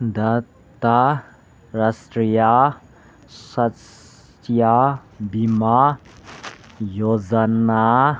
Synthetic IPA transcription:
d̪a | t̪a | ɾasʈɾija | sɐs | jabima | jod͡zana

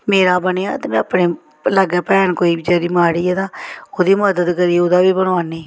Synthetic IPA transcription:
meːɾaːbəneːã̰ːt̪eːmɛ̃ːəpɳẽː | ləɡɛːpɛːɳkoːiːd͡ʒəːɾiːmaːɽiːɛːt̪ãːoːd̪iːməd̪əd̪kəɾiːoːd̪aːbiːbənʋaːneː

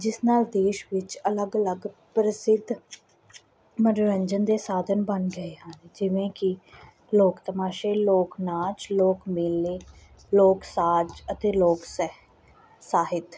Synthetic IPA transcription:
d͡ʒɪsnaːld̪eːʃʋɪt͡ʃələɡələɡpɾəsɪd̪ | məɾɾəɲd͡ʒənd̪eːsaːd̪ʱənbənɡəeːɦaːnːd͡ʒɪʋẽːkɪ | loːkt̪əmaːʃeːloːknaːt͡ʃloːkmɪlːeː | loːksaːd͡ʒət̪eːloːks | saːɦɪt̪

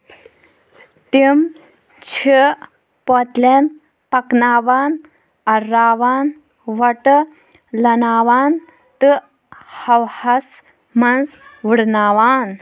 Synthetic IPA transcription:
t̪im | t͡ɕʰi | pɔt̪len | pɐknaːʋaːn | ɐɾːaːʋaːn | ʋɐʈ | lɐnaːʋaːn | t̪ɨ | hɐwhɐs | mɐnzʋɨɽnaːʋaːn

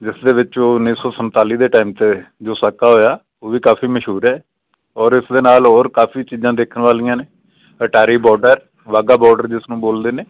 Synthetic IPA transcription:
d͡ʒɪsd̪eːʋɪt͡ʃoːʊniːsɔːsənt̪aːliːd̪eːʈaːimt̪eːd͡ʒoːsakaːɦoːjaː | oːʋiːkaːpʰiːməʃuːɾɛː | ɔːɾɪsd̪eːnaːlɦoːɾkaːpʰiːt͡ʃiːzãːd̪eːkʰənʋaːlɪjãːneː | əʈaːɾiːbɔːɾɖəɾ | ʋaːɡaːbɔːɾɖəɾd͡ʒɪsnũːboːld̪eːneː

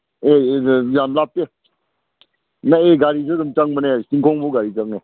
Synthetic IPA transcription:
ejamlap̚te | naeɡaɾizɯdumt͡ʃaŋmanesiŋkʰɔŋbuɡaɾizaŋe

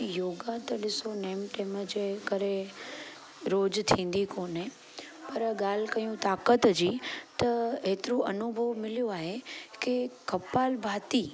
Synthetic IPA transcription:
joːɡat̪ɐɗɪsoneːmʈeːməd͡ʑekɐɾe | ɾoːd͡ʑt̪ʰĩːn̆d̪ikoːnẽ | pɐɾɠaːl̤ɪkɐijũt̪aːkət̪d͡ʑiːt̪ɐeːt̪ɪɾũʔɐnʊbʱəʋmɪlijoaːɦekekɐpaːlbʱaːt̪iː

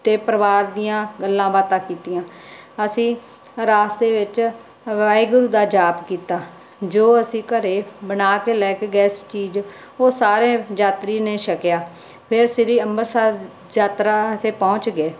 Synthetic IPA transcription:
t̪eːpəɾəʋaːɾd̪ijãːɡəlːãːbaːt̪ãːkiːt̪ijãː | əsĩː | ɾaːsd̪eːʋɪt͡ʃ | ʋaːiɡʊɾuːd̪aːd͡ʒaːpkiːt̪aː | d͡ʒoːəsĩːkəɾeːbənaːkeːlɛːkeːɡɛːst͡ʃiːd͡ʒ | oːsaːɾẽːd͡ʒaːt̪ɾiːnẽːʃəkjaː | pʰɪɾsɪɾiːəmbəɾsaːɾ | d͡ʒaːt̪ɾaːt̪ʰeːpɔ̃ːt͡ʃɡeː

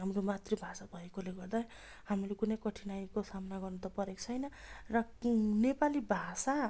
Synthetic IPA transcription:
ɦamromat̪ribʱasabʱʌekoleɡʌrd̪aj | hamilekunʌjkʌʈʰinajkosamnaɡʌrnʌt̪ʌpʌɾek̚t͡sʰʌjnʌrʌnepalibʱasa

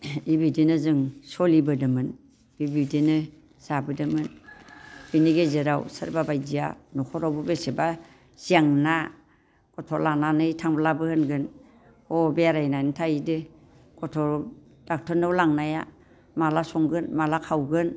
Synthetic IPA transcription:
ibidinɯzɯŋsɔlibɯdɯmɯn | bibidinɯ | z̥abɯdɯmɯn | b̥iniɡezeɾawsɯɾbabajzia̰nɔkʰɔɾawbɯbeseba | z̥iaŋna | kɔtʰɔlananɯjtʰaŋblabɯhɯnɡɯn | ɔbeaɾajnajnɯtʰaidɯ | kɔtʰɔ | d̥ak̚tʰɔnɯwlaŋnaja̰ | malasɔŋɡɯnmalakʰawɡɯn

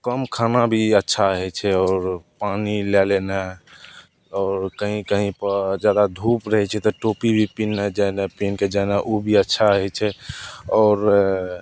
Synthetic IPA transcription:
kəmkʰanabʱiətːʃʰaəɦɛt͡ʃʰɛɔːɾpanilɛlena | ɔːɾkəɦĩkəɦĩpəd͡ʒad̪ad̪ʱupɾəɦɛt͡ʃʰɛt̪ɔʈopibʱipinːɛd͡ʒanapinked͡ʒajnaʔubʱiətːʃʰaəɦɛt͡ʃʰɛɔːɾ

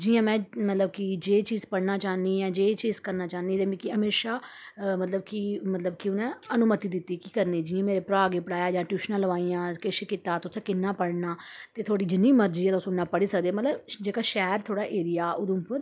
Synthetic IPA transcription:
d͡ʒiːãːmɛ̃ːmət̪ləb̚kid͡ʒeːt͡ʃiːzpəɽnaːt͡ʃaːnd̪iːɛ̃ːd͡ʒeːt͡ʃiːzkəɾnaːt͡ʃaːniːt̪eːmikɪɦəmeːʃaːmət̪ləbkimət̪ləbkiʊnɛ̃ːənʊmət̪iːd̪ɪt̪ːiːkiːkəɾneːd͡ʒiːãːmeːɾeːpɾaːɡeːpəɽaːjaːd͡ʒãːʈjuːʃnãləʋaːiːãːkɪʃɪkɪt̪ːaːt̪ʊsẽːkɪnːãːpəɽnaːt̪eːt̪ʰoːɽiːd͡ʒɪnːiːməɾd͡ʒiːɛːʊsʊnːaːpəɽiːsəkd̪eːmət̪ləbd͡ʒeːkaːʃɛːɾt̪ʰoːɽaːʔeːɾijaːʊd̪ʊ̃mpə

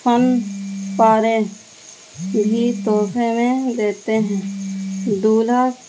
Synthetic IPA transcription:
pʰənpaːɾe | bʱiːt̪oːpʰemẽd̪eːt̪eɦɛ̃ː | d̪uːlaː

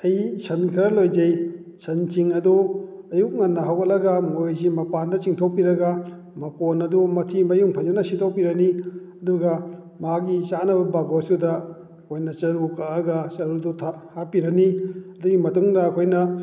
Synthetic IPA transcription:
ɐjsʰɐnkʰiɾɐlojd͡ʒɐj | sʰɐnt͡ʃiŋɐdu | ɐjuk̚ŋɐnːɐɦɐwɐlɐɡɐmojzimɐpandɐt͡ʃiŋtʰopiɾɐɡɐ | mɐponɐdumɐtʰimɐjuŋpʰazɐnɐsitʰowpiɾɐniɐduɡɐ | maɡit͡ʃanɐbɐbaɡosudɐ | ɐkʰojnɐt͡ʃɐɾukaɐɡɐsɐɾudutʰahapiɾɐniɐduɡimɐtuŋdɐːkʰojnɐ

